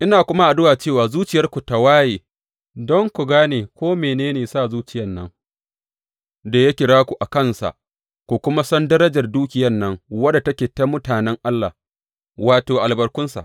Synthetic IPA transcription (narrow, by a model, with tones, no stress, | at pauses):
ʔɪ˦naː˨kʷʊ˦ma˦ʔa˨dʊ˦waː˨t͡ʃeː˦˨waː˨zuː˦t͡ʃɪ˨jɐ˦rkʷu˨ta˨waː˦jeː˨ | dɔ˦ŋkʷu˨ɡaː˦neː˨kʷoː˦meː˨neː˦neː˨saː˦˨zuː˦t͡ʃɪ˨jɐ˦˨nːɐ̰˦ŋ | da˨ja˦kʲɪ˨ɽaː˦kʷu˨ʔa˨kɐ˦˨nsa̰˨ʔ | kʷu˨kʷʊ˦ma˦sɔ˦ndɐ˦ɾɐ˦d͡ʒɐ˨rduː˦kʲɪ˨jɐ˦˨nːɐ˦ŋwɐ˦da˨tɐ˦kʲeː˨ta˦mʊ˦taː˨nɛ˦ŋʔa˦lːa̰˨ | waː˨toː˨ʔa˨lbɐ˨rkʷʊ˦nsa̰˨ʔ